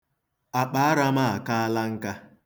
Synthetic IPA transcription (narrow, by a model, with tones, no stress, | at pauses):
a˨k͡pa˨a˦ɾa˦ma˦a˨ka˦a˦la˦ŋ̩˦ka˦